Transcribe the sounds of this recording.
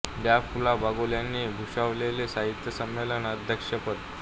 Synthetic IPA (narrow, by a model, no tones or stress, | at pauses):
bjafulabaɡoljanːiːɡʱuɕaʋlelesaɦit̪jəsəmːelənəd̪ʱjəkʂəpət̪